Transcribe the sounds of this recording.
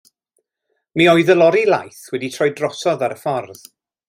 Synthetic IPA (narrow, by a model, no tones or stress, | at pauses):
miɔɨðəlˠɔɾilˠa̰jθwɛditʰrɔjdrɔsɔðaɾəfɔrð